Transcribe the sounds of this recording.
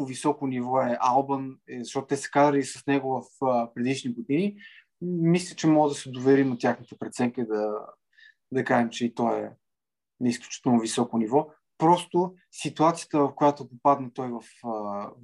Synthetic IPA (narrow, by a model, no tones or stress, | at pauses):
visɔkonivɔɛʔalˠbənzɐʃt̪ɔt̪ʊt̪ɛsɛ̥kazɾəlisɐsnɛɡʊvɐfəpɾɛd̪iʃniɡod̪ini | mislʲət͡ʃɛmɔɡəd̪ɐsɛd̪ovɛɾimot̪ʲjaxnit̪ɛpɾɛt̪sɛŋkəd̪ɐ | d̪ɐkaʒɛmt͡ʃɛit̪ɔɛ̰ | nɛisklʲu̥t͡ʃi̥t̪ɛlˠnovisɔkonivɔ | pɾɔst̪o | sit̪uat̪sijə̥t̪əvɐfkojat̪opopad̪nɐt̪ɔjvɐfə